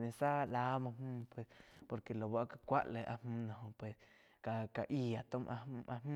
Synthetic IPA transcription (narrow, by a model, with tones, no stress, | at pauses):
nẽ˨sa˦˧la˦mã˧hmũ˦pwe˨spo˧ɾke˨lo˨ba˦ʔka˧kʷa̰˦ʔle˧˨ʔa̰˧mmũ˦nõ˧ɦõ˧pwe˨s | ka˧˨ka˨ʔi˧˨a˨t̪o˦mʔa˧˦ʔa˧mː˦